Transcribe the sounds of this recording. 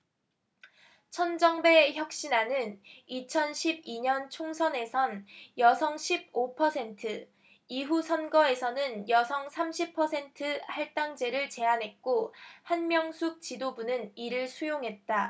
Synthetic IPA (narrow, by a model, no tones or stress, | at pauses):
t͡ɕʰʌnd͡ʑʌŋbe̞çjʌk̚ɕ͈inanɯnit͡ɕʰʌnɕʰib̚iɲʌnt͡ɕʰoŋsʰʌne̞sʰʌnjʌsʰʌŋɕʰib̚opʰʌsʰe̞ntʰɯ | iɦusʰʌnɡʌe̞sʰʌnɯnjʌsʰʌŋsʰamɕʰipʰʌsʰe̞ntʰɯhaɭt͈aŋd͡ʑe̞ɾɯɭt͡ɕe̞anɦe̞t̚k͈ohanmjʌŋsʰuk̚t͡ɕidobunɯniɾɯɭsʰujoŋɦe̞t̚t͈a